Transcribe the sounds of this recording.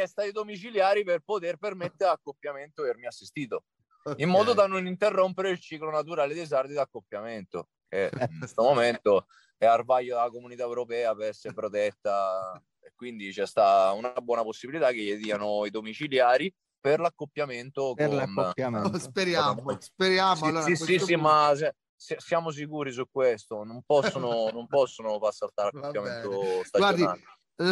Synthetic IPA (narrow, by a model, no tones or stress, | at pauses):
ɛst̪aid̪omit͡ʃiljaːɾiperpot̪erpermet̪ːeɾakːopːjament̪oermiasːist̪iːt̪̬o | imːɔːd̪od̪anːonint̪erːompeɾeilt͡ʃiːklonat̪uɾaːled̪ejs̬ard̪id̪akːopːjament̪o̰ | kenst̪omoment̪o | ɛarvajːod̪aakomunit̪aewɾopɛːapeɾɛsːeɾepɾot̪ɛt̪ːa | ekːwind̪it͡ʃɛst̪aunabwɔːnaposːibilit̪akejed̪iːanoid̪omit͡ʃiljaːɾi | perlakːopːjament̪oklanspeɾjamspeɾjamioisiimːasɛ | sasjaːmos̬ikuːɾis̬ukːwest̪onompɔsːononompɔsːonofaɾsːalt̪aɾakːopjament̪ost̪aad͡ʒoial